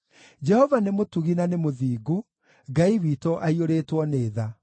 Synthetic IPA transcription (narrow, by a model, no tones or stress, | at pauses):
d͡ʒɛhɔvanemotuɣinanemoðiːɡo | ɡaiwiːtɔʔaioɾetwɔneːða